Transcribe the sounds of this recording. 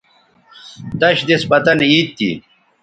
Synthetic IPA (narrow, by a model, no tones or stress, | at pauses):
d̪ɐɕd̪esbɐt̪ɐniːt̪ːḭ